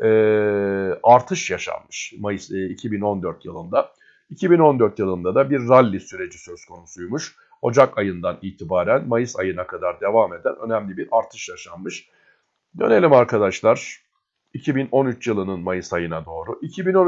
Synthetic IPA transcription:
ɛː | aɾt̪ʰɯʃjaʃa̰nmɯʃmajsicʰibino̞nd̪øɾt̪jɯlˠɯnd̪a | icʰibino̞nd̪øɾt̪jɯlˠɯnd̪ad̪abiɾːalʲːisyɾe̞d͡ʒisøz̥kʰo̞nusujmuʃ | ho̞̰d͡ʒakajɯnd̪aniːt̪ʰibaːɾænmajɯsa̰jɯnakʰad̪aɾd̪e̞vame̞d̪æ̰nø̞̰næmlʲibiɾaɾt̪ʰɯʃjaʃanmɯʃ | d̪ø̞ne̞lʲimaɾkʰad̪aʃlˠaɾ̥ | icʰibino̞nyt͡ʃjɯlˠɯnɯnmajɯsajɯnad̪o̞ːɾuʔicʰibinon

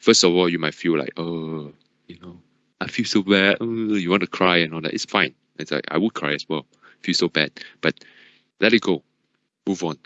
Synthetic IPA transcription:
fəstɔvɔljumaɪtfilla̰ɪko | juno | ʔaɪfilsobɛdəjuwɔ̃ntukʰɹaɪɛ̃nɔldɛ̰ʔḭtsfãɪ̃ñ | tsla̰ɪka̰ɪwud̚kʰɹaɪɛswɛl | afilsobɛd̚b̥at̚ | lɛt̚it̚ɡ̥o | muvɔ̃n

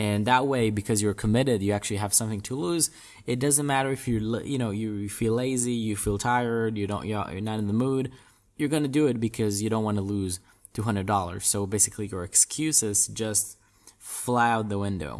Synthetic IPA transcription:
ɨ̃nðət̚weɪbɨkʰʌzjə˞kʰəmɪɾɪdjɨæk̚t͡ʃʉl̩ˠiəv̥sʌ̃mθɪ̃ŋtʰəluz | ɨt̚d̥ʌzɨ̃nmæɾə˞ɨfjə˞ljɨñoʊjɨfileɪzijɨfilˠtʰaɪə˞djɨɾõʊ̃nə̰jə̰nɨɾɨ̃n̩ðəmud̚ | jə˞ɡʌnɨdɨɪt̚b̥ɨkʰʌzjɨɾõʊ̃nʔwɑ̃nəluz̥ | tʰʉɦʌ̃ndɹɨdɔlˠə̰˞z̥soʊbeɪsɨ̥kʰlijə˞ɨkskʰj̥ʉsɪsd̥ʒ̥ʌst̚ | flaʊd̪̚ðəwɪ̃ndo̰ʊ

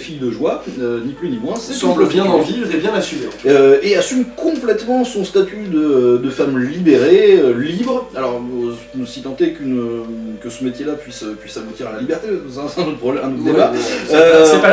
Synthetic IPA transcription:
fijd̪əʒwaøniplynimwɛ̃sɛsɑ̃pləbjɛ̃nɑ̃viʁebjɛ̃nasymeøeasymkʰɔ̃plɛt̪mɑ̃sɔ̃st̪at̪yd̪əd̪əfamlibeʁeølibʁəalɔʁ | sit̪ɑ̃t̪ekʲynøkəsəmet̪ʲjelapɥisøpɥisabut̪iʁalalibɛʁt̪esãsɛ̃not̪pɔblɛɛ̃not̪d̪ebaøsɛpa

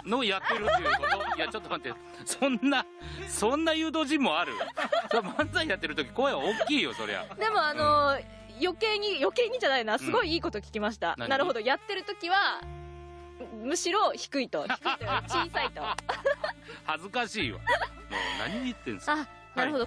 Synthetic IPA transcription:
no̞jat̪ːeɾɯjatt͡ɕot̪ːomat̪ːe | sõnːa | sõ̞nːajɯ̟ːd̪o̞ːʑĩmːo̞aɾɯ̟̰omãnzaijat̪ːeɾɯ̟t̪o̞kʲi̥koaeβaokʲːiːjo̞so̞ɾḛβa̰d̪e̞mo̞ano̞ | jo̞ke̞ːɲ̟ijo̞ke̞ːɲ̟id͡ʑanainoβasɨɡo̞iiːko̞t̪o̞kʲi̥kʲimaɕ̬i̥t̪a̰nnaɾɯ̟ɦo̞d̪o̞jat̪ːe̞ɾɯ̟t̪o̞kʲiβa | mɯ̟ɕiɾo̞çi̥kɯ̟it̪o̞i̥kɯit̪et͡ɕiːsait̪o̞ | hazɨkaɕiːβa̰ | mo̰na̰ɲ̟iɲiɯt̪ːẽ̞ña | naɾɯ̟ɦod̪o

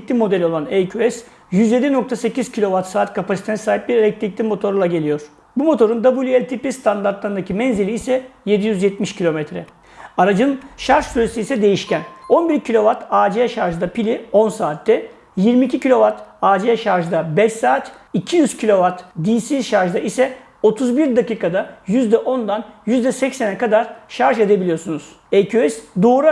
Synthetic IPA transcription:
clʲimo̞d̪ɛlʲo̞lˠanejcʰyɛs | jyzje̞d̪ʲino̞k̚t̪ʰase̞ciz̥cʰilʲo̞vat̪saːt̪kʰapasit̪ʰenɛsaːɦip̚biɾeɾɛc̚lʲic̚lʲimo̞t̪ʰo̞ɾlˠaɟe̞lʲijo̞ɾ̥ | bumo̞t̪ʰo̞ɾund̪abulʲɛlʲt̪ʰipist̪ʰand̪aɾt̪lˠaɾɯnd̪acʰimɛnzelʲiisɛje̞d̪ijyzjɛt̪miʃcʰilʲo̞mɛt̪ɾɛ | aɾad͡ʒɯnʃaɾʒ̥syɾesiisɛd̪e̞jiʃcæno̞nbiɾcʰilʲo̞vat̪aːd͡ʒejɛʃaɾʒd̪apilʲio̞nsaːt̪ːɛ | jiɾmiːcʰicilʲo̞vat̪aːd͡ʒeɛʃaɾʒɯd̪abɛʃsaːt̪icʰijyz̥cʰilʲo̞vat̪d̪iːsiʃaɾʒd̪aisɛ | o̞t̪ʰuzbiɾd̪aciːkad̪ajyzd̪ɛʔo̞nd̪anjyzd̪ɛsɛcsɛnɛkad̪aɾʃaɾʒe̞d̪ebilʲijo̞ɾsunuz̥ | ejcʰyɛsd̪oːɾa

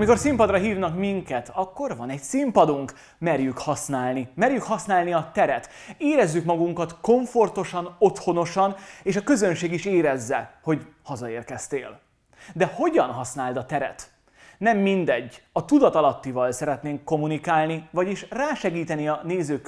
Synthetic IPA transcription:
miko̞rsimpɒd̪rɒɦiːvnɒkmiŋkɛt̪ʰɒkːo̞rvɒnɛɟsimpɒd̪uŋk | mɛrjykhɒsnaːlnimɛrjykhɒsnaːlniɒt̪ɛɾɛt̪eːɾɛzːykmɒɡuŋkɒt̪ko̞ɱfo̞rt̪o̞ʃɒno̞t̪ho̞no̞ʃɒneːʃɒkø̞zø̞nʃeːɡiʃeːɾɛzːɛho̞ɟhɒzɒeːrkɛst̪ḛːl | d̪ɛho̞ɟɒnɦɒsnaːld̪ɒt̪ɛɾɛ̰t̪ | nɛmːind̪ɛɟːɒt̪ud̪ɒt̪ɒlɒt̪ːivɒlsɛɾɛt̪neːŋkːo̞munikaːlnivɒɟiʃraːʃɛɡiːt̪ɛniɒneːzøː

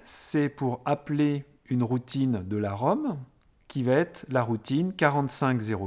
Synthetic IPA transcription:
sɛpuʁaple | ynʁut̪ind̪əlaʁɔm | kʲivaɛt̪χlaʁut̪inkaʁɑ̃t̪sɛ̃kzeʁo

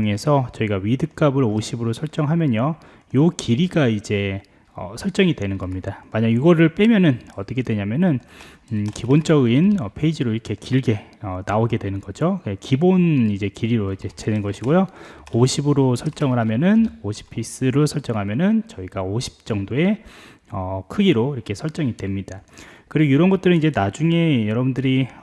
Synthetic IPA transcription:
ŋe̞sʰʌt͡ɕʌiɡaɥidɯk͈abɯɾoɕʰibɯɾosʰʌɭt͡ɕ͈ʌŋɦamjʌɲʌ | jokiɾiɡaid͡ʑe̞ | ʌ̰sʰʌɭt͡ɕ͈ʌŋidwe̞nɯnɡʌmɲidamaɲaɡuɡʌɾɯɭp͈e̞mjʌnɯnʌt͈ʌkʰe̞dweɲamjʌnɯn | kibont͡ɕ͈ʌɡinʌpʰe̞id͡ʑiɾoiɾʌkʰe̞kiɭɡe̞ʌnaoɡe̞dwe̞nɯnɡʌd͡ʑoekibonid͡ʑe̞kiɾiɾoid͡ʑe̞t͡ɕʰenɯnɡʌɕʰiɡojooɕʰibɯɾosʰʌɭt͡ɕ͈ʌŋɯɭɦamjʌnɯnoɕʰi̥pʰis͈ɯɾosʰʌɭt͡ɕ͈ʌŋɦamjʌnɯnt͡ɕʌiɡaoɕʰi̥p̚t͡ɕ͈ʌŋdoe̞ | ʌkʰɯɡiɾoiɾʌkʰe̞sʰʌɭt͡ɕ͈ʌŋidwe̞mɲid̥akɯɾiɡoiɾʌnɡʌt͈ɯɾɯnid͡ʑe̞nad͡ʑuŋe̞jʌɾʌbundɯɾi

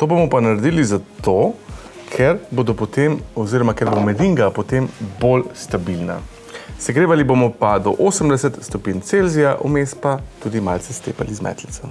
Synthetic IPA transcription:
t̪oːbomɔpanaɾɛd̪iːlizat̪o | kʰɛɾbod̪opot̪emɔziɾɔmakɛɾbomɛd̪iŋɡapot̪embolst̪abilna̰ | sɛɡɾeːʋalibomɔpad̪ɔʔoːsəmd̪ɛsɛt̪st̪ɔpiːnt̪selzijaʔumespat̪ud̪imaːlt̪sɛst̪ḛːpalizmɛ̰ːt̪lit̪sɛ

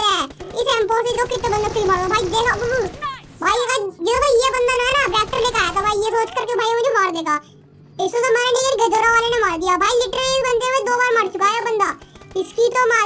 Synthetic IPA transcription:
ɛːɪsɛ̃ːmpoːsik̪oːkɪt̪ːeːbə̃nd̪ak̪iimaːɾd̪oːbʱaːid̪eːko | bʱaːikaɡ̪eːoːbʱaːijebənd̪aːnãːnabɾɛːk̚ʈəɾleːkaːɛːt̪obʱaːijeːsoːt͡ʃkəɾkebʱaːimə̃d͡ʒomaːɾd̪eːɡaː | ɪsoːzamɛːɾẽːnẽeɾɡəd͡ʒoːɾaːʋaːleːnãːmaːɾɡ̪ɪjaːbʱaːiɪʈɾːsbənd̪emat͡ʃd̪oːbaːɾməɽt͡ʃʊkaːjoːbənd̪aːɪskiːt̪õːmaː

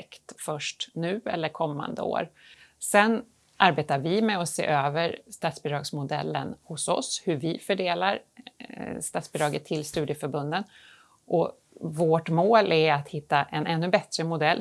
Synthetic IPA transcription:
kt̪fœʂʈnʉ̟ːɛ̰lːəɾkʰɔmːa̰nd̪ə̰o̰ːɾsɛn | ʔaɾbeːt̪aɾvɪmɛɔsḛːʔøːvəɾst̪ɑːt̪sbɪd̪ɾɑːɡsmʊd̪ɛ̰lːə̰nhʊsɔ̰shɵvɪfœɖeːlaɾ | st̪at̪sb̥ɪd̪ɾɑːɡət̪ʰːɪlst̪ʉ̟ːd̪ɪəfœɾbɵnd̪ən | ʔɔ | voːʈmoːlʔæɾat̪hɪt̪ːaʔɛnɛnːɵbɛt̪ɾəmʊd̪ɛlː

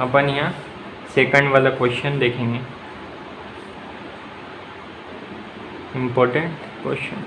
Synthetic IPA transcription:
əpəniɦã | seːkə̃ɳɖʋaːlakʋesʈənd̪eːkʰẽːŋɡe | ɪmpɔːɾʈəɳʈ | kwḛsʈə̰n

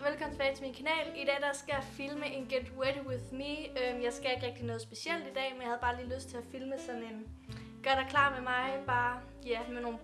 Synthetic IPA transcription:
ʋelkʰɒ̽mn̩t͡sʰe̥bɛːɪt͡sʰe̝minkʰænɛ̰ːlid̥ɛ̰ːdɑsɡ̥æjafilməʔenɡ̥ed̥weɾiwɪðmiømjɑ̈ɪsɡ̥æe̝ɡ̥ʁɛɡ̥d̥inɔ̽ːð̞̩ˠsb̥e̝siel̰d̥id̥ɛ̰ːmenjahæðˠb̥ɑ̈ːliːløsd̥̚t͡sʰe̝æfilməsɒ̽ne̝n | ɡ̥ɶɐɾ̥ɑkʰlɑ̰̈ːmemɑ̈ɪb̥ɑ̈ː | jæmeno̝ːn

